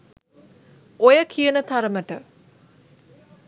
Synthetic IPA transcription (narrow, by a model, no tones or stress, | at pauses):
ojəkʰijənət̪aɾəməʈə